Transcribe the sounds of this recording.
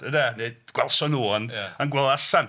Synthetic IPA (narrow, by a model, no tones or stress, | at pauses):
ədanedɡ̥wɛlˠsɔnuːnanɡwɛlˠasan